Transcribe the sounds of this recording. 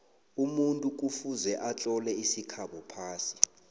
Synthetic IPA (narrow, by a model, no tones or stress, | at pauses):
umuntʼuk̬ʼufuzɛʔat͡ɬʼɔlɛisikʰaɓɔpʰaːsi̥